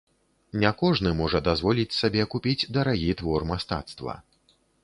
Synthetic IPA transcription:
nʲakɔʐnɨmɔʐɐd̪azvɔlʲit͡sʲsabʲɛkupʲid͡zʲd̪ɐɾaɣʲit̪vɔrmast̪a̰t̪st̪vɐ̰

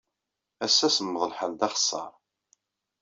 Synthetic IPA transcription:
æsːæsəmːəðˤəlħəld̪ɑχsˤːɑ̰ɾˤ

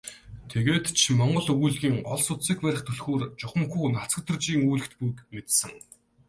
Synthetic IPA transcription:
t̪ʰeɣeːt̪t͡ɕʰimɔɴɢɞ̆ɮɵɣujɮɣʲiːŋɔɮsʊt̪siːkpæɾʲɪ̆χt̪ʰɵɮxoːrt͡ɕʊχə̆mxuːnat͡sə̆k̚t̪ʰɵ̆rt͡ɕiːŋuːɮɘ̆xt̪pujkmet̪sɘ̆ŋ

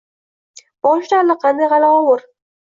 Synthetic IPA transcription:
b̥ɒʃlaɾlɪqʰɑnd̪ajʁɑlaɒwʊɾ

